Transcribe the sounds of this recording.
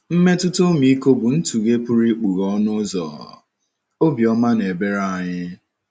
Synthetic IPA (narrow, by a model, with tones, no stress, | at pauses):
m̩˦me˦tʊ˦to˦mi˨i˦ko˦bʊ˨n̩˦tu˨ɡe˦pu˦ɾi˦k͡pu˨ɣɔ˦nʊ˦zɔ̰˨ | o˦bi˨ɔ˦ma˦ne˨be˦ɾa˦˨ɲɪ˦